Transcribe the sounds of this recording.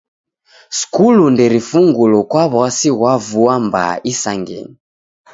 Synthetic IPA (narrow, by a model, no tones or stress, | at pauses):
skulundɛɾifuŋɡulɔkwaβasiɣwavuamba̰ʔisaŋɡɛ̰ni